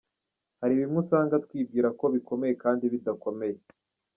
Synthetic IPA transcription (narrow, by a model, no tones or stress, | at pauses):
haɾiβimŋusaːŋɡat̪̚kwiːb̚ɡiːɾako̞βiko̞me̞je̞kaːndiβidako̞me̞je